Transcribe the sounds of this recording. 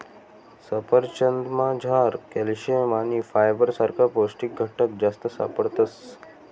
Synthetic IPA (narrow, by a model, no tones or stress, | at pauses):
səpəɾt͡ɕənd̪mãd͡ʑʱaɾkɛlɕemanifajbəɾsaɾkʰaposʈik̚ɡʱəʈəkd͡ʑast̪əsa̰pəɽt̪əs